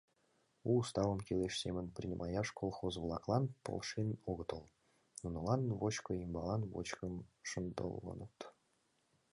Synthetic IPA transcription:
uːst̪ɑvə̆mkʲeleʃsʲemʲənprʲinʲimʔɑjɑʂkʰolˠχozvlˠɑklˠɑnpo̰lˠʂenoɣət̪ɤlˠ | nunɤ̆lˠɑnvot͡ɕkoimbɑlˠɑnvo̰t͡ɕkəmʃənd̪o̰lˠːɤ̰nət̪

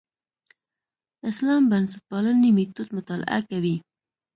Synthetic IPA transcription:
ɪslɑmbansɪt̪̚pɑlanimit̪ut̪mʊt̪ɑlɪ̰ʔa̰kawi

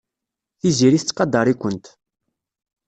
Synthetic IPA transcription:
θiziɾiθt͡sːqɑd̪ɑɾˤikʷːənt̪

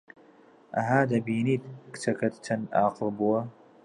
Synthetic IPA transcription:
ʔɐ̰ɦaːd̪ɐbiːniːt̪̚kɨ̥t͡sʰɐkɐt̪t͡ʃʰɐnʔaːqɨlˠbuwɐ

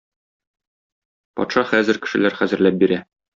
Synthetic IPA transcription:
pɒ̰t̪ʃɑχæzɘ̆ɾkɘ̥̆ʃɘ̆læɾχæzɘ̆ɾlæp̚biɾæ

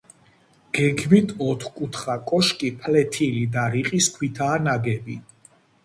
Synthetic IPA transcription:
ɡ̥ɛɡmit̪ʰɔt̪ʰkʼut̪ʰχakʼɔʃkʼipʰlɛt̪ʰilid̪aɾiqʼiskʰwit̪ʰaːnaɡɛbi

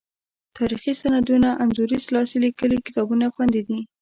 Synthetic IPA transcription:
t̪ʰɑɾixisanad̪unaʔanzuɾislɑsilikəlikɪ̥t̪ɑbunaxwand̪id̪i

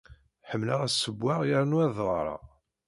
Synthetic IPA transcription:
ħəmːlaʁæsːəbːaʁjəɾnuæðˤʁˤɾˤɑ̰

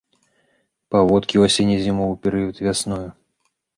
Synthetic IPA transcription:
pavɔt̪kʲiwasʲenʲizʲimɔwpʲɛɾɨjut̪ʲvʲasnɔju

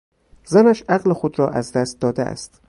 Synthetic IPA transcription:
zænæʃæɣlexod̪ɾɒːʔæzd̪æst̪̚d̪ɒːd̪ḛæ̰st̪

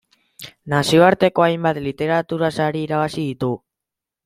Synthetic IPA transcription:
nasio̞aɾt̪e̞ko̞ajmbat̪lit̪e̞ɾat̪uɾasaɾiːɾaβ̞asiðit̪u

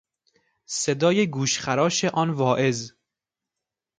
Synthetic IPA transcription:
sed̪ɒːjeɡuːʃxæɾɒːʃeʔɒːnvɒːʔe̞z

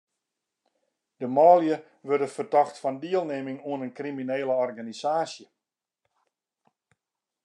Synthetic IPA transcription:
dəmɔːljə | ʋørdəfərdɔxtfɔndiəlˠneːmɪŋuənənkrimineːləɔrɡanisaːsjə

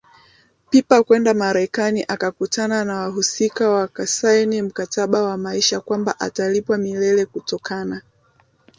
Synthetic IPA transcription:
pipakwɛndamaɾɛkaniʔakakutʰananawaɦusikawakasajnim̩kataɓawamaiʃakwamba̰ʔa̰talipwamilɛlɛkutɔkʰana

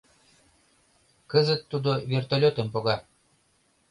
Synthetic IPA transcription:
kəzə̆t̪ːud̪ovʲert̪olʲot̪ə̆mpoɣɑ

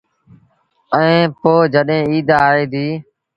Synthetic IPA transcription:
əẽːpoːd͡ʒəɗɦẽːiːd̪aːɦeːd̪iː

